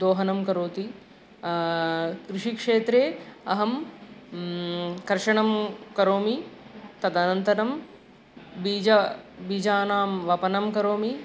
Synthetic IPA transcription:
d̪oːɦɐnɐmkɐɾoːt̪i | kɾɪʂikʂeːt̪ɾeːɐɦɐm | kɐɾʂɐɳɐmkɐɾoːmit̪ɐd̪ɐnɐnt̪ɐɾɐm | biːd͡ʒɐbiːd͡ʒaːnaːmʋɐpɐnɐmkɐɾoːmi

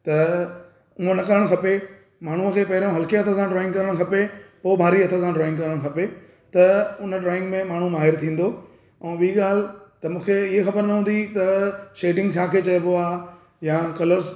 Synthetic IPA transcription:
t̪ɐ | ʊɦõnɐkɐɾəɽ̃xʰɐpe | maːɳ̤uəkʰeːpɐɦɪɾõɦɐlkeɐt̪ʰə̃sãɖɾɔːɪ̃ŋɡkɐɾəɽ̃xʰɐpepoːbʱaːɾiɐt̪ʰə̃sãɖɾɔːɪ̃ŋɡkɐɾəɽ̃xʰɐpe | t̪ɐʊnəɖɾɔːɪ̃ŋɡmẽmaːɳ̤umaːɦɪɾt̪ʰĩːn̆d̪o | ɛ̃ːɓiiɠaːl̤ɪt̪ɐmũːkʰeɪɦexɐbəɾnɐɦũːn̆d̪it̪ɐʃeːɖɪ̃ŋɡt͡ɕʰaːkʰeːt͡ɕɐjoboaː | jakɐləɾz

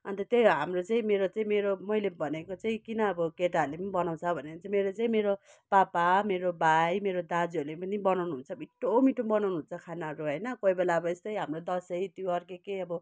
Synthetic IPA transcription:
ʌ̰nt̪ʌt̪jʌjɦamrot͡saĩmeɾot͡saĩmeɾomʌilebʱʌnekot͡saĩkinʌːbʌkeʈarlepʌnibʌnaw̃t͡sʰʌbʱʌnekot͡saimeɾot͡saĩmeɾo | papameɾobʱajmeɾod̪ad͡ziʌɾulepʌnibʌnawnuɦunt͡sʰʌbiʈːomiʈumbʌnawnuɦunt͡sʰʌkʰanaʌɾuɦʌjnʌkoibelaʌbʌest̪ʌjɦamrod̪ʌsʌjt̪juʌrkekejʌbʌ

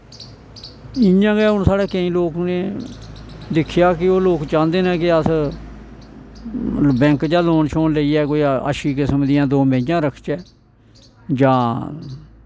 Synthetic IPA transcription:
ɪjãːɡɛːʊnsaːɽeːkəĩːloːkneː | d̪ɪkʰːjaːkɪoːloːkt͡ʃãːnd̪eːnɛ̃ːkɪət̪ʰ | bɛ̃ːŋkd͡ʒaːloːnʃʰoːnləiːɛːkoːiə̰ʃiːkɪsəmd̪ɪjãːd̪oːmẽɪd͡ʒãːɾəkʰt͡ʃɛː | d͡ʒãː

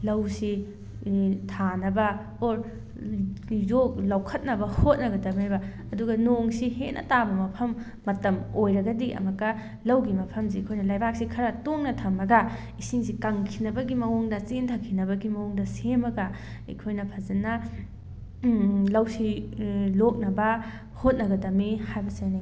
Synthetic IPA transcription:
lɐwsi | tʰanɐbɐ | oɾ | jok̚lɐwkʰɐt̚nɐbɐhot̚nɐɡɐdɐmajbɐ | ɐduɡɐnoŋsihet̚nʔɐ̰tabɐmɐpʰɐmː | ɐtɐmojɾɐɡɐdiʔɐ̰mɐkːɐ | lɐwɡimɐpʰɐms̬ikʰojnɐlajbak̚sikʰɐɾɐtoŋnɐtʰɐmɐɡɐ | isiŋsikɐŋkʰinɐbɐɡimɐwoŋdɐt͡ʃintʰɐkʰːinɐβɐɡimɐwoŋdɐsemɐɡɐ | ḭkʰojnɐpʰɐzɐnɐ | lɐwsilok̚nɐbɐ | hot̚nɐɡɐdɐmihajbɐsajni

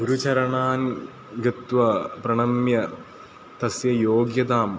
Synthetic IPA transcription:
ɡuɾut͡ɕɐɾɐɳaːn | ɡɪt̪ʋɐpɾɐɳɐmjɐ | t̪ɐsjɐjoːɡjɐd̪aːm

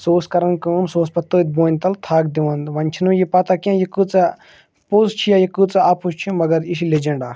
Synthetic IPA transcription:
soːskɐɾɐnkəːmsoːspɐt̪oːt̪̚boːnʲt̪ɐlt̪ʰaːkd̪iʋɐ̃nd̪ʋɐnʲt͡ʃʰinũjipɐt̪akiãjikut͡sɐ | puzt͡ʃʰijaːjikut͡sɐapust͡ʃʰimɐɡɐɾiʃiled͡ʒɐɳɖaː

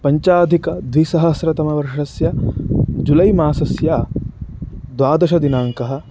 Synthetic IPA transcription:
pɐɲt͡ʃaːd̪ʱikɐd̪ʋisɐɦɐsɾɐt̪ɐmɐʋɐɾʂɐsjɐ | d͡ʒulɐjmaːsɐsjaː | d̪ʋaːd̪ɐʃɐd̪inaːŋkɐɦɐ̆

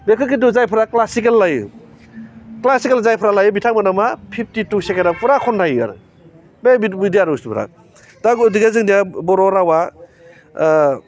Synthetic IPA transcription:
bekʰɯkiduzajpʰɯɾaklasikelːajṵ | klasikelzajpʰɾalajubitʰaŋmanamapʰip̚ʰtitusekeɾapuɾakʰɔndajua̰ɾɯ̰ | bebibidijaɾustupʰuɾa̰ | taɡdiɡazɯŋdijabɔɾɔɾawa

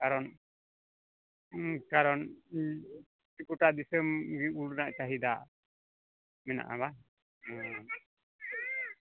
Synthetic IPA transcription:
kaɾɔn | kaɾɔn | tikuʈaʔd̪isəmɡiuɽnaʔt͡ʃaɦid̪aʔ | mɛna̰ʔa̰βa

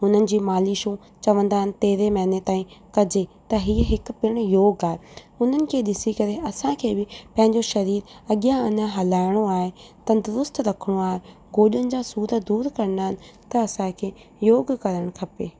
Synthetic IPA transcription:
ɦʊn̤ənɪ̆d͡ʑiːmaːliʃũ | t͡ɕɐʋə̃nd̪aːɦɪnɪ̆t̪eːɾemɐɦɪnet̪aːĩkɐd͡ʑet̪ɐɦiːəɦɪk̆pɪɽ̃joːɡaːɦe | ʊn̤ənɪ̆kʰeːɗɪsikɐɾeɐsãkʰeːbɪpɐ̃ɦɪ̃ɲd͡ʑoʃɐɾiːɾɐɠjãɪnəɦɐlaːɪɽ̃oaːɦet̪ɐd̪ʊɾʊst̪ɾɐkʰəɽ̃oaːɦe | ɡoːɗənɪ̆d͡ʑaːsuːɾəd̪uːɾkɐɾənaːɦɪnɪ̆ɪt̪ɐɐsãkʰeː | joːɡkɐɾəɽ̃kʰɐpeː

